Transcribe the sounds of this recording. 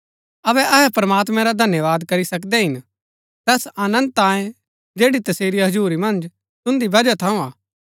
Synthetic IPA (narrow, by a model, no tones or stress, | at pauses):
ɐβɛʔɐɦɛpɾɐmaːt̪mɛ̃ɾad̪ʱɐnjəʋaːd̪kɐɾisɐkd̪ɛɦɪn | t̪ɛːsaːnə̃nd̪̚t̪ãːẽ | d͡ʒeːɽit̪ɐseːɾiɦɐd͡ʒuːɾimɐ̃nd͡ʒ | t̪ʊ̃nd̪ibɐd͡ʒat̪ʰɐ̃ũaː